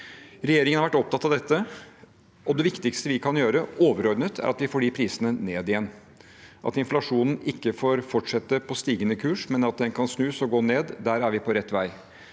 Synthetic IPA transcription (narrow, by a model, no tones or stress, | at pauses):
ɾɛjeːɾɪŋəhɑɾʋæʈɔp̚t̪ɑt̪ːɑʋd̪ɛt̪ːə | ɔd̪ɛʋɪkt̪ɪkst̪əʋɪkʰɑnjøːɾəoːʋəɾɔɾd̪nət̪ʰæ̰ɾʔɑt̪ʋɪfoːliːpʰɾiːsənəneːd̪ɪjɛnː | ʔɑ̰t̪ɪnflɑʂuːnn̩ɪkːəfoːɾfɔʈʂɛt̪ːəpʰɔst̪iːɡənəkʰʉːʂmɛnɑt̪̚d̪ɛnkʰɑnsnʉːsɔɡoːneːd̪d̪æɾæɾʋɪpʰɔɾɛt̪ːʋæɪ